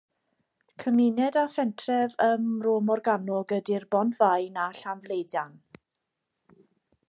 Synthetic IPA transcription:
kʰəmɪnɛdafɛntʰrɛvəmroːmɔrɡanɔɡədirbɔndvajnaɬanvlˠejdjan

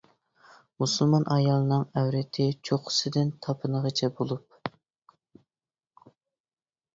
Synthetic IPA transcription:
musulˠmɑnʔɑjɑlˠɨnɨŋæwɾɪt̪ʰɪt͡ʃʰoqʰʊ̥sɪd̪ɪnt̪ʰɑpʰɨnəʁət͡ʃʰɛbolˠup̚

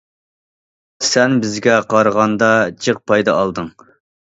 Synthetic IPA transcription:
sɛnbɪzɡʲɛqʰɑɾəʁɑnd̪ɑt͡ʃʰəq̚pʰɑjd̪ɑɑlˠd̪ɨŋ

